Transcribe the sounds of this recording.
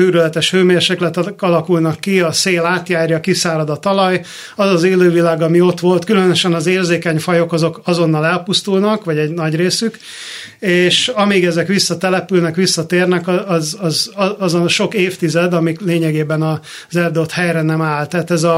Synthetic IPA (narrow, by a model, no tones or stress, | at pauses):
yːɾylɛt̪ɛʃføːmeːrʃeːklɛt̪kɒlɒkulnɒkːiɒseːlaːt̪jaːrjɒkisaːɾɒd̪ɒt̪ɒlɒj | ɒzɒzeːløːvilaːɡɒmio̞t̪ʋo̞lt̪kylønøʃɛnɒzeːrzeːkɛɲfɒjo̞kɒzo̞kɒzo̞nːɒlɛlpust̪ulnɒkʋɒɟɛɟnɒɟreːsyk | eːʃɒmiɡɛzɛkʋisːɒt̪ɛlɛpylnɛkʋisːɒt̪eːrnɛkɒzɒzɒzonʃo̞keːft̪izɛd̪ɒmikleːɲɛɡeːbɛnɒ | zɛrd̪ot̪hɛjɾɛnɛmaːlt̪aːt̪ɛzɒ